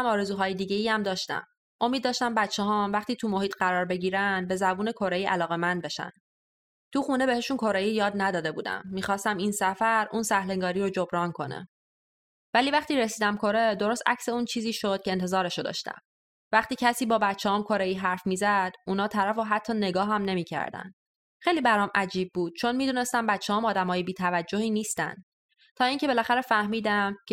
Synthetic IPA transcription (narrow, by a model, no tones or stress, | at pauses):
æmɒːɾezuːɦɒːjed̪iːɟe̞iæmd̪ɒːʃt̪æ̰m | ʔo̞mid̪ːɒːʃt̪æmbæt̪t͡ʃʰːeɦɒːmvæχt̪iːt̪ʰumo̞hiːt̪ɢæɾɒːɾbe̞ɟiːɾænd̪̚be̞zæbuːne̞kʰo̞ɾeiːʔælɒːɣe̞mænd̪̚be̞ʃæ̰n | t̪ʰuxune̞be̞heʃunkʰo̞ɾejijɒːd̪næd̪ɒːd̪e̞buːd̪æ̰mːiːxɒːst̪æmiːnsæfæɾuːnsæhleŋɡɒːɾiːɾod͡ʒo̞bɾɒːnkʰo̞̰næ̰m | væliːvæχt̪iːɾesiːd̪æmkʰo̞ɾed̪o̞ɾost̪æcseuːnt͡ʃʰiːziːʃod̪̚cʰeːnt̪ezɒːɾeʃod̪ɒ̰ʃt̪æ̰m | væχt̪iːcʰæsiːbɒːbæt̪t͡ʃʰːehɒːmkʰo̞ɾejiːɦæɾfmiːzæd̪̥uːnɒːt̪ʰæɾæfoɦæt̪ʰːɒːne̞ɡɒːɦæmne̞miːcʰæ̰ɾd̪æ̰nd̪ | xejliːbæɾɒːmʔæd͡ʒiːb̚ːuːd̪̥̚t͡ʃʰo̞nmiːd̪uːne̞st̪æmbæt̪t͡ʃʰːehɒːmɒːd̪æmɒːjebiːt̪ʰævæd͡ʒːohiːniːst̪æ̰nd̪̥ | t̪ʰɒːiːŋce̞be̞læxæɾefæhmiːd̪æmk